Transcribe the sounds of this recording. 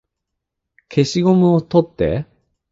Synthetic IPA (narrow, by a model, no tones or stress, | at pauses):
kʰe̞ɕiɡo̞mɯ̟ot̪o̞t̪ːe̞̰